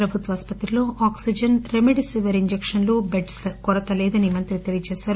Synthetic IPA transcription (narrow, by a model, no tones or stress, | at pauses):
ɾɐbʱut̪ʋaːspɐt̪ɾiloːʔaːksid͡ʒɐnɾemeɖisiʋeɾiɲd͡ʒekʂɐnlubeɖskɔɾɐt̪ɐleːd̪ɐnimɐnt̪ɾit̪elijɐt͡ʃeːsaːɾ